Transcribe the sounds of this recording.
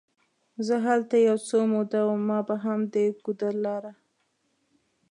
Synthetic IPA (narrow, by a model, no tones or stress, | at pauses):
zəɦalt̪ajawt͡somod̪awumːɑbaɦamd̪əɡud̪aɾlɑɾa